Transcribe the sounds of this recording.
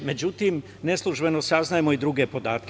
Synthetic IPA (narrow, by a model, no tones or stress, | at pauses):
me̞d͡ʒut̪im | neslˠuʒbe̞nosaznajemo̞id̪ɾuɡepo̞d̪aːt̪̚k